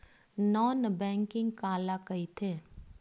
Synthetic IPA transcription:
nɔːnbɛ̃ːŋkɪ̃ŋɡkaːlakɐit̪ʰeː

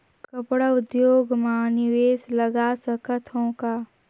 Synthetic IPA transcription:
kəpɽaʊd̪joːɡmãniʋeːsləɡasəkət̪ʰõːka

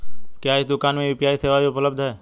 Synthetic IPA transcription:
kjaːɪsd̪ʊkaːnmẽʋɪpjaːiseːʋaiʊpləb̚d̪ʱɦɛː

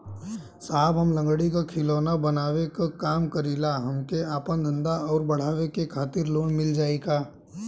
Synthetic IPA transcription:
saːbɦɐmlɐ̃ŋɡɽikakʰɪloːnabɐnaːwekakaːmkəɾiːlaɦɐmkeaːpə̃nd̪ʱə̃nd̪aɔːɾbɐɽ̤aːʋekekʰaːt̪ɪɾloːnmɪld͡ʒaːeːɡaː

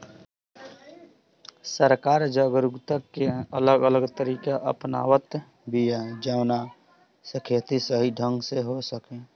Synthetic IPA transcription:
səɾkaːɾd͡ʒaːɡɾʊɡt̪akeələɡələɡt̪əɾiːkaʔəpna̰ːwət̪ | bijad͡ʒaːna | səkʰjət̪isəɦiɖʱə̃ŋɡseɦosəkẽː

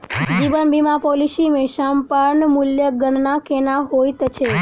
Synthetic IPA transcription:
d͡ʒiʋənbimapolisimẽʃampaɾnmʊljəɡəɳnakenaɦojt̪ət͡ʃʰe

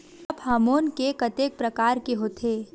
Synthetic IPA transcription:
ɐbhaːmoːnkekɐt̪eːk̚pɾɐkaːɾkeɦoːt̪ʰeː

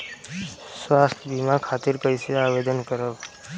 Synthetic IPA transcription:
swast̪ʰbimakʰat̪iɾkəjseaʋed̪ənkəɾə

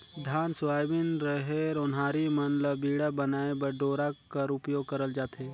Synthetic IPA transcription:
d̪ʱaːnsʋaːjbɪnɾəɦeɾʊnɦaːɾimənləbiːɽabɐnaːebɐɖoːɾakɐɾʊpjoːɡ̚kəɾəld͡ʒaːt̪eː

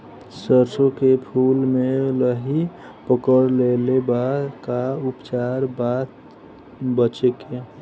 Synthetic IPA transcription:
səɾsokepʰulmeləɦi | pəkəɾlelebad̪kaupt͡ʃaɾbat̪ | bət͡ʃeke

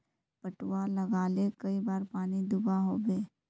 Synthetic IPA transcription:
pəʈwaləɡaːlekɐibaːɾpaːnid̪ʊbaɦoːbeː

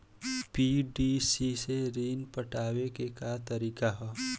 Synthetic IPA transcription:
piːɖisiseɾiːnpəʈaːwekekat̪əɾiːkaɦɛ

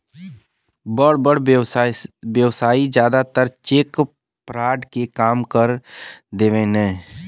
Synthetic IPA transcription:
bəɽbəɽ | ʋjəʋsaːid͡ʒjaːd̪at̪əɾt͡ʃeːk | pɾaːɖkekaːmkəɾd̪eːʋẽnɛ̃ː

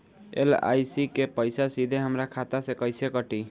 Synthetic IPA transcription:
ḛla̰jsikepəjsasid̪ʱeɦəmɾakʰat̪asẽkəjsekəʈi

